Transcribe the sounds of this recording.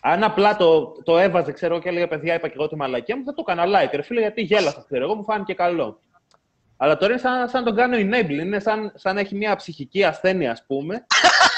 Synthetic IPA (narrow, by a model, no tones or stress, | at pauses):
ɐnɐplɐt̪o̞t̪o̞e̞vɐze̞kse̞ɾoɣoceleɣɐpe̞ðʝɐipɐceɣot̪imɐlɐciɐmuθɐt̪ukɐnɐlɐit̪eɾofiloʝɐt̪iʝe̞lɐsɐskseɾoeɣo̞mufɐnice̞kɐlo̞ | ɐlɐt̪oɾinesɐsɐnt̪oɡɐnioinejblinesɐnsɐne̞çimɐpsiçiciɐsθe̞niɐspume̞